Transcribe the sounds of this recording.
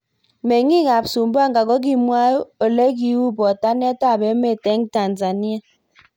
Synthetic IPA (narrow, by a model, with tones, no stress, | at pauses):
me˨ŋi˦ŋa˨bsu˨m˦ba˦˨ŋ˨ɡa˨ɡɔ˦ɡ̬i˦mwa˦o˨le˦ɡi˦wu˦bɔ˨ta˦n˦e˦ta˦˨be˨˦me˦˨te˦ŋta˨nza˨ni˦a˦˨